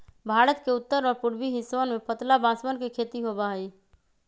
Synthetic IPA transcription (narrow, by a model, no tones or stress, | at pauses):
bʱaːɾət̪keʊt̪ːəɾɔːɾpʊɽbiɦɪsonmẽpət̪labãːsmənkekʰeːt̪iɦobaɦi